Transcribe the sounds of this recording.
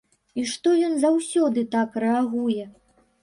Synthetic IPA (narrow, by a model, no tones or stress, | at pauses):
iʂt̪ɔjɔnzawsʲɔd̪ɨt̪akrɛaɣujɛ